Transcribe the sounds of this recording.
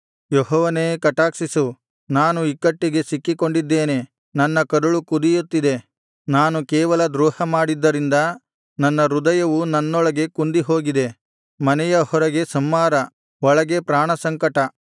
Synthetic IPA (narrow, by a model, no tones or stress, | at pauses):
jɔɦɔːʋɐneːkɐʈaːksisu | naːnuikːɐʈːiɡe̞sikːiko̞ɳɖid̪ːe̞ːne | nɐnːɐkɐɾuɭukud̪ijut̪ːid̪e̞ | naːnukɛːʋɐlɐd̪ɾuːhɐmaːɽid̪ːɐɾind̪ɐ | nɐnːɐɾud̪ɐjɐʋunɐnːɔɭɐɡe̞kund̪iɦo̞ːɡid̪e̞ | mɐnɛjɐhɔɾɐɡe̞sɐmːaːɾɐ | ɔɭɐɡe̞pɾaːɳɐsɐŋkɐʈɐ